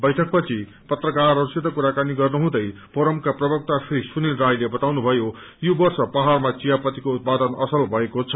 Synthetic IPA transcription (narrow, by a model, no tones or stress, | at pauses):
bʌjʈʰʌk̚pʌt͡sʰi | pʌt̪rʌkarːʌrusit̪ːʌkuɾakaniɡʌrnuɦũd̪ʌjpʌɾʌmkaprʌbʌk̚t̪asrisunilrajlebʌt̪awnubʱʌjo | jobʌrsʌpaɦarmat͡sijapʌt̪ikout̪̚pad̪ʌnʌ̰sʌlbʱʌekot͡sʰʌ̥